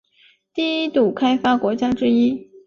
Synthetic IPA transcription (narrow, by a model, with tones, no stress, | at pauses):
t̪i˥˩i˥t̪u˨˩kʰa˥ɪfa˥kwɔ˧˥t͡ɕja˥ʈ͡ʂɻ̩˥i˥